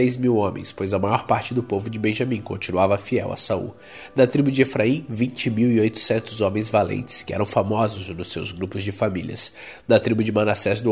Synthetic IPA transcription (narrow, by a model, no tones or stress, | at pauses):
ɾejzmiwõmḛ̃j̃spojzɐmajɔɾpaɾt͡ʃɪd̪ʊpovʊd͡ʒɪbẽʒɐ̃mĩkõ̰nt͡ʃĩnuavɐfiɛ̰wɐ̰saṵ | d̪ɐt̪ɾibʊd͡ʒɪefɾaĩvĩnt͡ʃɪmiwiojt̪ʊ̥sẽnt̪ʊzõmẽj̃zvalḛ̃nt͡ʃɪ̥skɪɛ̰ɾɐ̃w̃famɔzʊznʊsːḛwzɡɾupʊzd͡ʒɪfamiliɐ̰s | d̪ɐt̪ɾibʊd͡ʒɪmãnasɛzd̪ʊ